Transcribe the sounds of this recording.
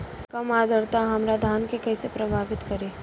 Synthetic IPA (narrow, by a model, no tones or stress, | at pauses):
kɐmaːd̪əɾt̪aɦɐmɾad̪ʱaːnkekɛːsepɾɐbʱaːʋɪt̪kɐɾeː